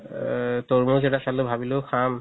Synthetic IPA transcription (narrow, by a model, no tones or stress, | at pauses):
tɔɹmuzɛtasalobʱabiloxʰam